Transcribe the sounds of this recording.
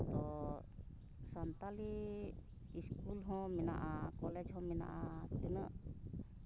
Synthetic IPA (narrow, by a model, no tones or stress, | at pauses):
t̪ɔ | sant̪aliː | skulɦɔ̃mɛna̰ʔakɔlɛd͡ʒɦɔ̃mɛna̰ʔat̪inəʔ